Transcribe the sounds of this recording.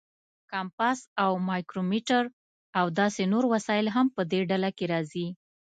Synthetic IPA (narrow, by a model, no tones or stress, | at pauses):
kɑmpasawmɑjkɾomiʈaɾ | awd̪ɑsenoɾwasɑjɪlɦampəd̪eɖalakeɾɑzi